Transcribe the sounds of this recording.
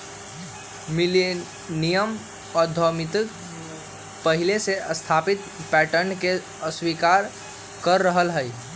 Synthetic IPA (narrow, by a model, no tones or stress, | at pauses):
mile | nijəm | ɔɾd̪ʱɔmit̪ək | pəɦileseʔəst̪ʰapit̪̚pɛʈənke | əswikaɾ | kəɾːəɦəlɦəj